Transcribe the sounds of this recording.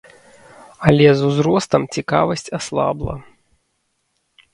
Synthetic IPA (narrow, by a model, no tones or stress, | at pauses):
ɐlʲɛzuzɾɔst̪ɐmt͡sʲikavɐsʲt͡sʲaslˠa̰blˠɐ̰